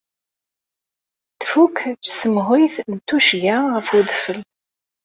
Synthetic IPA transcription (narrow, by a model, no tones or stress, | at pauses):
θfukt͡ʃsəmʁʊjθnt̪ːuʃɡaʁəfuðfəl